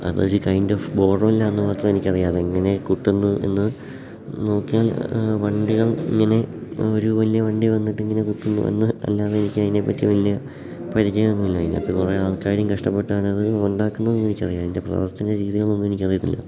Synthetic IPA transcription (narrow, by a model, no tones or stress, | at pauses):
ɐ̰ðɨoɾukɐjndofbo̞ːrɐmɐlːɐenːɨmaːt̪rɐme̞nikʲːɐrijaːðeiŋːɐne̞kuʈːunːuḛnːɨ | no̞ːkːijaːlʋɐɳɖiɣɐɭḭŋːɐne̞o̞ɾuʋɐlijɐʋɐɳɖiʋɐnːiʈːiŋːɐne̞kuʈːunːṵḛnːɨɐ̰lːaːðeenikʲːɐðinepːɐtːijɐʋɐlijɐ | pɐɾid͡ʑejunːumilːaːjinːɨɐ̰pːokureaːɭkaːɾjɐmkɐʂʈɐpːe̞ʈːuaːɳɐðɨoɳɖaːkːunːɐðenːe̞nikʲːɐrijaːinde̞prɐ̰ʋɐrt̪ʰɐneɾiːðiɣɐɭnonːume̞nikʲːɐrijut̪ːḭlːɐ̰